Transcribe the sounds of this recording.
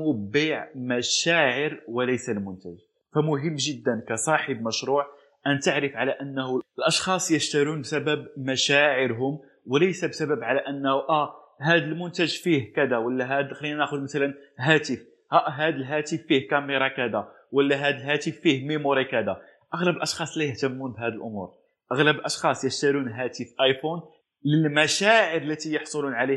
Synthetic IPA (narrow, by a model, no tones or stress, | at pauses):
biʕmæʃæʕəɾwəlæjsælmʊnt̪æʒ | fæmʊɦəmːʒəd̪ːənkæsˤɑħəbməʃɾuːʕ | ʔænt̪aʕɾəfʕalæʔənːhʊəlʔɑʃxɑsˤjəʃt̪æɾunbsæbæbmæʃæʕəɾɦʊm | wəlæjsæbsæbæbʕalæʔənːhuʔæ | ɦæd̪əlmʊnt̪æʒfihkæd̪æwəlːæɦæd̪xlinænæxʊd̪mæt̪ælənɦæt̪əf | hæʔɦæd̪əlɦæt̪əfːihkæmeɾˤɑkæd̪æ | wəlːæɦæd̪əlɦæt̪əfːihmimuɾikæd̪æ | ʔɑɣləbəlʔɑʃxɑsˤlæjəht̪əmːunb̪ɦæd̪əlʔʊmṵɾ | ʔɑɣləbəlʔɑʃxɑsˤjəʃt̪æɾunɦæt̪əfʔɑjfun | ləlmæʃæʕəɾəlːæt̪ijɑħsˤolunʕali